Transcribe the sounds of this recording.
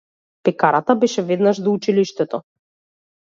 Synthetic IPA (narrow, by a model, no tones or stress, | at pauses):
pɛkaɾat̪abɛʃɛvɛd̪naʒd̪ɔut͡ʃiliʃt̪ɛt̪ɔ